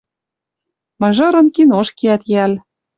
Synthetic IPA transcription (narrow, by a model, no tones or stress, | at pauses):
mɤ̆ʒɤ̆ɾɤ̆nkinoʃkiæt̪jæl